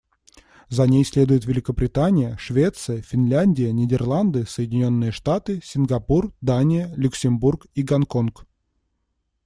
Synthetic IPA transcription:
zɐnʲejsʲlʲe̞d̪ʊjɪt̪vʲɪlʲɪkəbɾʲɪt̪anʲɪjəʂvʲe̞t̪sɨjəfʲɪnlʲænʲdʲɪjənʲɪdʲɪrlˠand̪ɨsəjɪdʲɪnʲo̞nːɨjəʂt̪at̪ɨsʲɪnɡɐpurd̪anʲɪjəlʲʊksʲɪmburkiɡɐnko̞nk

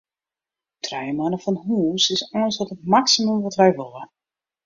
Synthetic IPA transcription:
tʰrɛjəmanəfɔnhuːsɪsɔnsɔtətmaksiməmʋɔtʋɛjʋolˠə

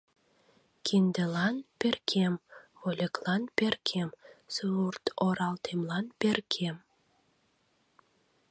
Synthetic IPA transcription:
kʲʰind̪ĕlɑnpʲerkʲʰemβolʲĕklˠɑnpʲerkʰemsurt̪oɾɑlt̪ʰemlˠɑnpʲerkʰem

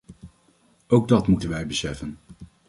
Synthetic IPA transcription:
owɡ̚dɑtmutənʋɛjbəsɛfən

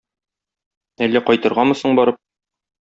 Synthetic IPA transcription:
ælːæqɒjt̪ɤ̆ɾʁɑmɤ̆sɤɴbɒɾɤp̚

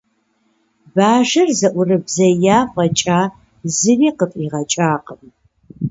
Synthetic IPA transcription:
baːʒɐrzɐʔʷʊrɨbzɐjaːχʷɐt͡ʃʼaː | zɨriːqətʼiːʁɐt͡ʃʼaːqəm

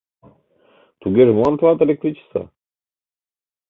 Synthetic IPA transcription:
t̪uɡeʐmuant̪ʰat̪elek̚t̪ɾit͡ɕʰi̥sa̰

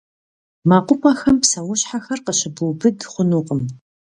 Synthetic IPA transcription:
maːqʷʊpʰʼaxɐmpsɐwʊɕħaxɐrqəɕɪbuwbɨdχʷʊnuːqʼəm

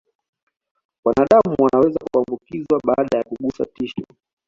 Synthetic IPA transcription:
wanaɗamuwanawɛzakuambukizwaɓaːɗajakuɠusa̰tiʃɔ

